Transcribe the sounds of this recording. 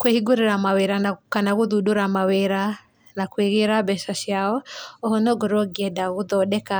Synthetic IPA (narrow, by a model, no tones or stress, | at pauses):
kwehiɡuɾiɾamaweɾanakanaɣuðudoɾamaweɾa | nakweɣeɾabɛʃaʃjaɔɔhɔnɔɡɔɾɔɡiɛdaɣuðɔɗɛka